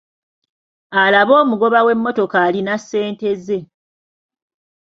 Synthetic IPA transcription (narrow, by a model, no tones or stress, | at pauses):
alaβo̞ːmuɡo̞βawe̞mːo̞to̞kaːlinasːe̞ːnte̞ze̞